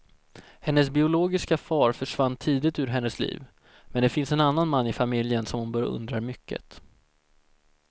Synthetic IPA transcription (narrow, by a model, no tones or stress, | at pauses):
hɛnːəsbɪʊloːɡɪskafɑːɾfœʂvanːt̪ʰiːd̪ɪt̪ʉ̟ːɾɦɛnːəslḭːv | mɛnd̪ɛfɪnsɛnanːanmanːɪfamɪljənsɔmhʊnbœɾja̰ɵ̰nd̪ɾaɾmʏkːə̰t̪